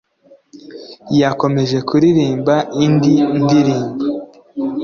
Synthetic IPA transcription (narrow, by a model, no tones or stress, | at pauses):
jako̞me̞ʒe̞kuɾiɾiːmbaʔindindiɾiːmba